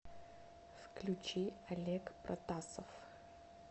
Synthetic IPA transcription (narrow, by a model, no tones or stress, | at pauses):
fklʲut͡ʃiɐlʲekprʔɐt̪asəf